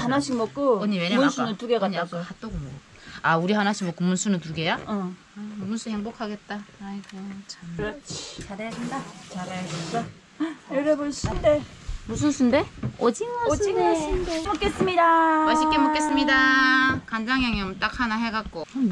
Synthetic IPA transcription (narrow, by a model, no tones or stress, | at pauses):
hanaɕʰiŋmʌk͈ooɲiweɾnsʰnɯntuɡekaɲaaɡohʰat͈oɡomo | auɾihanaɕʰiŋmokɯmːunsʰunɯntuɡe̞ja | kɯmːunsʰuheŋbokʰaɡe̞t̚t͈a | t͡ɕʰa | t͡ɕaɾajadendat͡ɕaɾajadeda | eɾeboɭɕʰindemus̬ʰɯnsʰundeod͡ʑiŋiŋindemok͈es͈ɯmɲidamʌɕʰikk͈emok͈e̞s͈ɯmɲidakand͡ʑaŋjaŋjʌmt͈akʰanaɦe̞ɡak͈o